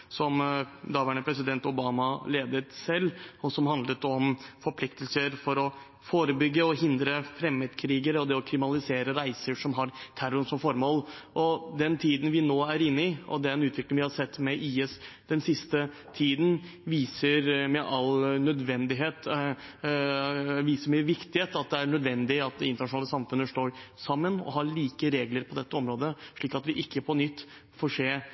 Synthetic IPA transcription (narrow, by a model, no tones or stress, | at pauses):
sɔmd̪ɑʋæːɳəpʰɾɛsɪd̪ɛnt̪ʊbɑːmɑleːd̪ət̪sɛlːɔsɔmɦɑnd̪lət̪ɔmfɔɾpʰlɪkt̪əlsəɾfɔɾɔ | foːɾəbʏɡːəɔɦɪnd̪ɾəfɾɛməd̪kʰɾiːɡəɾɔd̪ɛɔkʰɾɪmnɑlɪseːɾəɾæɪsəʂɔmɦɑɾt̪ʰæɾʊnsɔmfɔɾmoːlʔɔd̪ɛnt̪ʰiːd̪ən̩ʋɪnoːæɾɪnːɪʔɔ̰d̪ɛɛæɾɛnʉːt̪ʰʋɪklɪŋʋɪhɑsɛt̪ːmɛʔiːɛsd̪ɛnsɪst̪ə | t̪ʰiːd̪n̩ | ʋiːsəɾmɛʔɑlnœd̪ʋɛnd̪ɪɦeːt̪ | ʋiːsəmɛʋɪkt̪ɪheːt̪ɑt̪̚d̪ɛæɳœd̪ʋɛnd̪ɪɑt̪ɪnt̪əɳɑʂʊnɑːləsɑmfʉnːəʂt̪oːɾsɑmːənɔ̰ɦɑɭiːkəɾeːɡləɾpʰɔd̪ɛt̪ːəɔmɾoːd̪əʂɭiːkɑt̪ʋɪʔɪkːəpʰɔnʏt̪ː | fɔʂeː